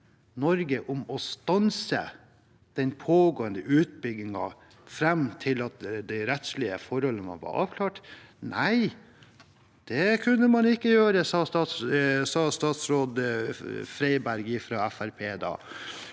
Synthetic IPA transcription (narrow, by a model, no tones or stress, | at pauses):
nɔɾɡəʔʊmɔst̪ɑnsə̰ | d̪̥ɛnpʰoːɡoːənd̪əʔʉːt̪̚bʏɡɪŋɑ̰ | fɾɛmt̪ʰɪlɑt̪d̪æɪɾɛt̪slɪəfɔɾɔlːənɑ̰ʋɑ̰ʔɑ̰ːʋkʰlɑːʈnæɪ | d̪̥ɛkʰʉnːəmɑnɪkːəjøːɾəsɑːst̪ɑːt̪ssɑːst̪ɑːt̪sɾoːd̪ | fɾæɪbæɾɡɪfɾɑːæfæɾpʰeːd̪ɑ̰ː